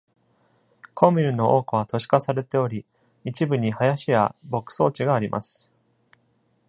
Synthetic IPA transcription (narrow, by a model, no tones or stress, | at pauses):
kʰo̞mʲiɾɯ̟no̞ʔo̞ːkɯβat̪o̞ɕi̥kasaɾe̞t̪e̞o̞ɾʲi | it͡ɕibɯ̟ɲ̟ihajaɕija̰bo̞kɯ̟̥so̞ːt͡ɕiɡaːɾʲimʔa̰sɨ̥